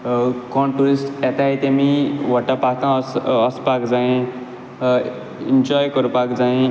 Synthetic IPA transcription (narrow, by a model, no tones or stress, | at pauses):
kɔnʈuɾisʈet̪aɦit̪emiʋɔʈapat̪ãsːspakd͡zaĩ | ind͡ʒɔjkʌɾupakd͡zaĩ